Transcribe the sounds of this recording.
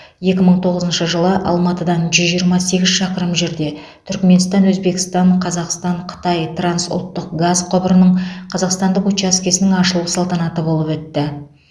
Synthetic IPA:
je̞kʲɪməɴt̪ʰo̞ʁəzənʃəʒəlˠəʔɑ̰lˠmɑt̪əd̪ɑnʒʏzʒijəɾmɑse̞ɡʲɪzʃɑqəɾəmʒe̞ɾd̪e̞ | t̪ʰʏɾkme̞nst̪ɑnwɵzbe̞kʲɪ̥st̪ɑɴqʰɑzɑqst̪ɑɴqʰə̥t̪ɑjt̪ʰransʊ̰lˠt̪ːəqɡazqʰobəɾənəɴqʰɑzɑqst̪ɑnd̪əqwot͡ʃaskʲe̞sɪnɪŋɑʃəlˠusɑlˠt̪ɑnɑt̪əbo̞lˠəpwɵt̪ːɪ

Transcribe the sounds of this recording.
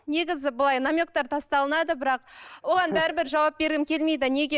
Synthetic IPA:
ne̞ɡʲɪzɪbəlˠɑjnamʲjok̚t̪ɑɾt̪ʰɑst̪ɑlˠənɑd̪əbɪɾɑq̚wo̞ʁɑnbæɾɪbɪɾʒɑwɑp̚be̞ɾɡʲɪmkʲʰe̞lme̞jd̪ɪne̞ɡʲe

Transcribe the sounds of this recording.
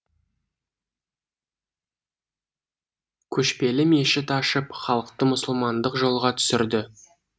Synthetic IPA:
kʲʰɵʃpe̞lɪme̞ʃɪt̪ɑʃəpχɑlˠəqt̪əmʊsʊlˠmɑnd̪əqʒo̞lˠʁɑt̪ʰʏ̥sɪɾd̪ɪ

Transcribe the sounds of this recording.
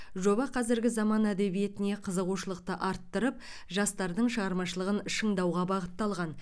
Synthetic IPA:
ʒo̞bɑqʰɑzɪɾɡʲɪzɑmɑnæd̪e̞bije̞t̪ɪne̞qʰəzəʁuʃəlˠəq̚t̪əʔɑɾt̪ːəɾəp̚ | ʒɑst̪ɑɾd̪əɴʃəʁɑɾmɑʃəlˠəʁənʃəɴd̪ɑwʁɑbɑʁət̪ːɑlˠʁɑn

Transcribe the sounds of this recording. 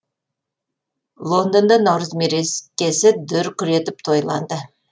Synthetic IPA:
lˠond̪ond̪ɑnɑwɾəzmeɾeskʲesɪd̪ʏɾkʲʏɾet̪ɪp̚t̪ʰojlˠɑ̰nd̪ə

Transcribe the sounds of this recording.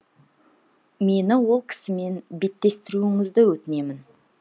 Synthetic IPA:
me̞nɪwo̞lˠkʲʰɪ̥sɪme̞nbe̞t̪ːe̞st̪ɪɾuɪŋɪzd̪ɪwɵt̪ɪne̞mɪn

